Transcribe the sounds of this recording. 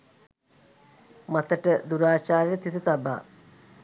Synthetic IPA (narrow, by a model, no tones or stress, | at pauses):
mɐt̪əʈəd̪uɾaːt͡ʃaːɾjət̪it̪ət̪ɐba̰ː